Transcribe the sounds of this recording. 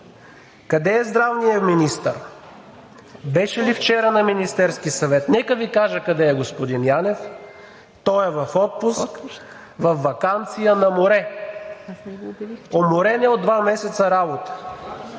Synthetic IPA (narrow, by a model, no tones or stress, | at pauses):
kɐd̪ɛːzd̪ɾavnijəminist̪əɾ | bɛʃɛlift͡ʃɛɾənɐminist̪ɛɾsk̟isɐvɛt̪nɛkəvikaʒəkɐd̪ɛɛɡospod̪injanɛf | t̪ɔɛvɐfɔt̪̚pusk | vɐfːɐkant̪sijənɐmoɾɛ | omoɾɛnɛod̪ːvamɛsɛt̪sɐɾabot̪ə̥